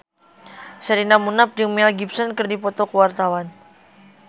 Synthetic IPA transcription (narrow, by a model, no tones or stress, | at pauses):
saɾinamunap̚d͡ʒumɛlɡipsɔnkɨrdipɔt̪ɔkəwart̪awan